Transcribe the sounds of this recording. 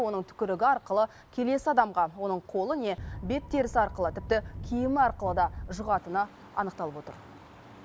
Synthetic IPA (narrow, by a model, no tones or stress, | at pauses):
wo̞nəɴt̪ʰʏ̥kʲɪɾɪɡʲɪɑɾqəlˠə | kʲʰe̞le̞sɪɑd̪ɑmʁɑwo̞nəɴqʰo̞lˠəne̞be̞p̚t̪ʰe̞ɾɪsɪɑɾqəlˠət̪ʰɪp̚t̪ɪkʲʰijɪmɪɑɾqəlˠəd̪ɑʒʊʁɑt̪ənɑ | ɑ̰nəqt̪ɑlˠəpwot̪ə̰ɾ